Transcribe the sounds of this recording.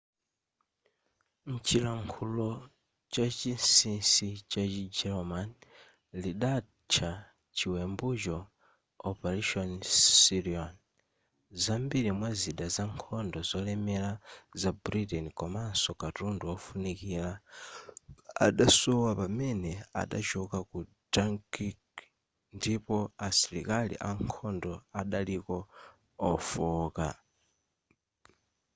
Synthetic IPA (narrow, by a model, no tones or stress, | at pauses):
n̩t͡ʃilaŋkʰulɔ | t͡ʃat͡ʃinsinsit͡ʃat͡ʃid͡ʒɛlɔman | liɗa | t͡ʃʰa | t͡ʃiwɛmbut͡ʃɔ | ɔpaɾiʃɔnsiɾiɔn | zambiɾimwaziɗazaŋkʰɔndɔzɔlɛmɛlazabɾitɛnikɔmansɔkatunduɔfunikila | a̰ɗasuwapamɛnɛa̰ɗa̰t͡ʃukaku | daŋkik | ndipɔasiɾḭkalḭʔaŋkʰɔndɔaɗalikɔː | fuːka̰